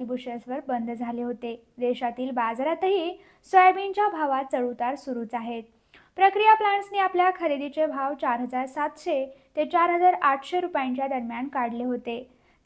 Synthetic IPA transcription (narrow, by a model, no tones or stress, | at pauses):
ibuɕesʋəɾbənd̪ʱd͡zʱaleɦot̪e | d̪eɕat̪iːlbad͡zɾat̪əɦiː | sʋəjbiɲt͡ɕjabʱaʋat̪̚t͡səɽut̪aɾsuɾuːt͡saɦet̪̚ | pɾəkɾijaplaɳsniːapljakʰəɾid̪it͡sebʱaʋt͡ɕaɾɦəd͡zaɾsat̪ɕet̪et͡ɕaɾɦəd͡zaɾaʈ̪ʰɕeɾupjãɲt͡ɕjad̪əɾmjankaɽleɦot̪e | t̪